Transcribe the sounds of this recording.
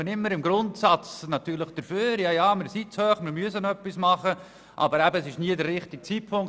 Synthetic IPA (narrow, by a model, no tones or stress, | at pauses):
ənɪmːəɾɪmɡɾʊntsɑt͡snɑt̪yːɾləχd̥əɾføːɾjɑːjɑːmɪɾsit͡shøːχmɪɾmyəsənœpːismɑχə | ʔɑ̰bəɾæbəːsɪʃniədərːɪχtɪk̚t͡sipʰʊŋ